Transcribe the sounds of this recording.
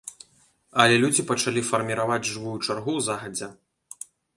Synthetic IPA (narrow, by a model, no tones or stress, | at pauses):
ɐlʲɛlʲud͡zʲipɐt͡ʂalʲifɐrmʲiɾavad͡zʲʐɨvujut͡ʂarɣuwzaɣɐd͡zʲɛ